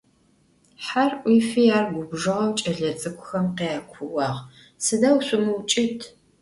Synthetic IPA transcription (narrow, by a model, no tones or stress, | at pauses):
ħarʔʷiːfijaːrɡʷʊbʒɨʁɐwt͡ʃʼɐɮɐt͡sʼɨkʷʰʼʊxɐmqeaːkʷʰʊʔɑːʁ | sɨdaːwɕʷʼʊmɨwt͡ʃʼɪtʰ